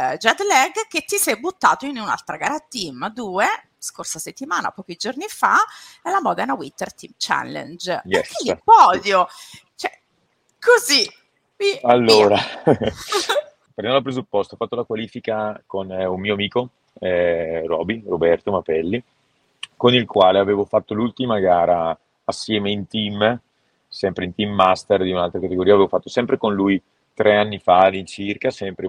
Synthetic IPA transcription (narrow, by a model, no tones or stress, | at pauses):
d͡ʒad̪lɛɡkːet̪ːisɛjbut̪ːa̰ːt̪oinuna̰lt̪ɾaɡaɾat̪imad̪uːe | skorsaset̪ːimaːna̰pɔːkid͡ʒornifa̰ɛlamɔːd̪anawit̪ːert̪imt͡ʃa̰lːḛnd͡ʒjɛsipɔːd̪jo | t͡ʃoɛ | kʰozi | mialːoːɾa | peɾnɛnlapɾezupːɔst̪oːfːat̪ːolakwaliːfikakonunmiːoamiːko | ɛrɔːbirobɛrt̪omapɛlːi | konilkwaːleaveːvofat̪ːolult̪imaɡaːɾaː | sːjɛːmeint̪im | sɛmpɾeint̪imːast̪erd̪iunalt̪ɾakat̪eɡoɾiːaveːvofat̪ːosɛmpɾekonluj | t̪ɾʔeanːifad̪int͡ʃirkasɛmpɾe